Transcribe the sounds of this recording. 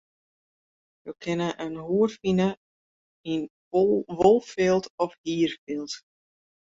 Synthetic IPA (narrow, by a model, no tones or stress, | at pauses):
jokʰɪnəʔənɦuərfinə | in | ʋɔlˠfɪlˠtɔfhiːrfɪlˠt